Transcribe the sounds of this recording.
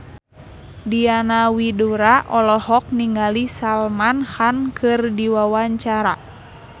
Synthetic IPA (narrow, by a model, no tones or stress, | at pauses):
dianawiduɾaʔɔlɔhɔk̚niŋɡalisalmanhankʰɨrdiwawaɲt͡ʃaɾa